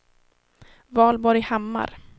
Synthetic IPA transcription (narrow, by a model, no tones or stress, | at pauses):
vɑːlbɔɾjhamːa̰ɾ